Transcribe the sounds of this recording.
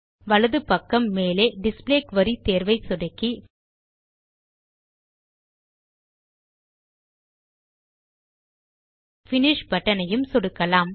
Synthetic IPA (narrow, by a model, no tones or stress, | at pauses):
ʋɐlɐðɯpɐkːɐmːeːleːɖɪspleːkʋɐɾit̪eːɾʋɐɪsɔɽɐkːi | fɪnɪʂpɐʈːɐnɐjɯmsɔɽɯkːɐlaːm